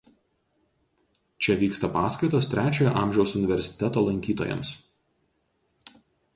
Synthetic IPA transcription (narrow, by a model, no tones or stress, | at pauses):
t͡ʃʲɛʋʲiːkst̪ɐpɑːskɐɪt̪oːst̪ʲɾʲæːt͡ʃʲoːjo̰ʔɑˑːmʲʒʲɛʊsʊnʲɪʋʲɛɾʲsʲɪ̥t̪ʲɛt̪oːlˠɐŋʲkʲiːt̪o̰ːjɛ̰ms